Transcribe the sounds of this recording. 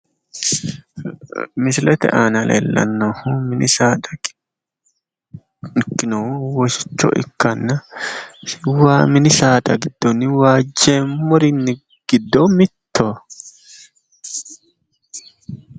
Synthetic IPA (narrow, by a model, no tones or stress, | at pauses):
mɪsɪlɛt̪ɛ̰ʔaːnɐlḛːlːɐ̰nːoːhʊmɪnɪsaːd̪ɐ | kːɪnowɔʃɪ̥t͡ʃːɔ̰ʔɪ̰kːɐnːɐ | waːmɪnɪsaːd̪ɐɡɪd̪̥ːɔnːɪwaːd͡ʒːeːmmːɔɾɪnːɪ | ɡ̥ɪd̪ːɔmɪt̪ːo